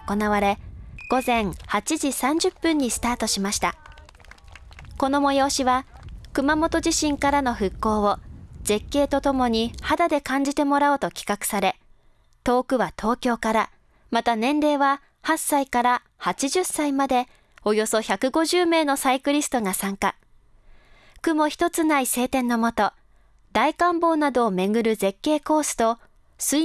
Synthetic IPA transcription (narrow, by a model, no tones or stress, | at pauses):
ko̞naβaɾe̞ɡ̥o̞zẽ̞ŋhat͡ɕiʑisãɲ̟d͡ʑɨpːɯ̟̃ɲ̟ːisɨ̥t̪aːt̪o̞ɕimaɕi̥t̪a̰ | ko̞no̞mo̞jo̞ːɕiβakɯ̟mamo̞t̪o̞ʑiɕĩŋkaɾano̞ɸɯ̟kːo̞ːβo̞ze̞kːe̞ːt̪o̞t̪o̞mo̞ɲ̟ihad̪ad̪e̞kãɲ̟d͡ʑit̪e̞mo̞ɾaot̪o̞kʲi̥kakɯ̟̥saɾe̞ | t̪o̞ːkɯ̟βat̪ʰo̞ːkʲo̞ːkaɾa | mat̪anẽ̞nɾe̞ːβa | hasːaikaɾa | hat͡ɕiʑɨsːaimad̪e̞ | o̞jo̞so̞çakɯ̟ɡo̞ʑɨːme̞ːno̞saikɯ̟ɾʲisɨ̥t̪o̞ŋasãŋka | kɯ̟mo̞çi̥t̪o̞t͡sɨnaise̞ːt̪ẽ̞nːo̞mo̞t̪o̞ | d̪aikãmbo̞ːnad̪o̞ːme̞ɡɯ̟ɾɯ̟ze̞kːe̞ːko̞ːsɨ̥t̪o̞ | sɨ